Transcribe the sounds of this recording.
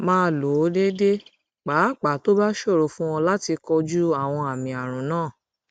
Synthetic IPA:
mãː˧˦lo˨˦de˦de˦ | k͡paː˨˦˨k͡pa˨˦to˦ba˦ʃo˦˨ɾo˨fũ˦w̃ɔ̃˧la˦ti˧kɔ˧d͡ʒu˦a˦˨w̃ɔ̃˧a˨mĩ˨a˨ɾ̃ũ˨nãː˦˨

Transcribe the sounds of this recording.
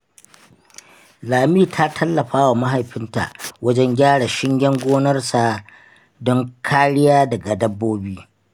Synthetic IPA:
laː˨miː˦tʰa˦tʰɐ˦lːɐ˨ɸaː˦wa˨ma˦ɦa˨jɸɪ˦nta̰˨ʔwɐ˦d͡ʒɛ˦ŋɡʲaː˦ɽa˨ʃɪ˦ŋɡʲɛ˦ŋɡʷoː˦nɐ˦rsa˨ | dɔ˦ŋkʰaː˦ɽɪ˦jaː˦dɐ˨ɡa˨dɐ˦bːoː˦biː˦

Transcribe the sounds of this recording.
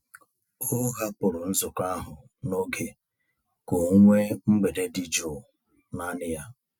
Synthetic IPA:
o˦ɣa˦pʊ˨ɾʊ˨n̩˦zʊ˨ka˦ɦʊ˨ | no˦ɡe˨ | ko˨˦ŋʷe˦ŋ͡m̩˦ɡ͡be˨de˨di˦d͡ʒo˨ | na˦nɪ˦ja˦

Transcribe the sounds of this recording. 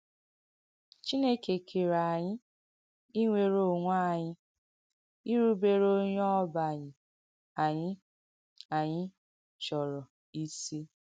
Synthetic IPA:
t͡ʃi˦ne˦ke˨kʰe˨ɾa˨ɲɪ˦ | i˦ŋʷe˦˨ɾo˦˨ŋʷa˦˨ɲɪ˦ | i˦ɾu˦be˦ɾo˦ɲ˦ɔ˦ba˨ɲɪ˨ | a˨ɲɪ˦ | a˨ɲɪ˦ | t͡ʃɔ˨ɾɔ˨ | i˦si˦

